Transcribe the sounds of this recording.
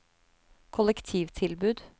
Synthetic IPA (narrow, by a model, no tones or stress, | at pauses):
kʰʊlɛkt̪ʰiːʋt̪ʰɪlbʉːd̪